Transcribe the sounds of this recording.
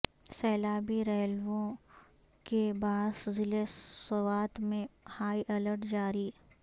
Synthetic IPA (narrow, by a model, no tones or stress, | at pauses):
sɛːlaːbiɾɛɦlʋõ | kebaːszɪlesɐwaːt̪mẽhaːiʔɐləɾʈd͡ʒaːɾiː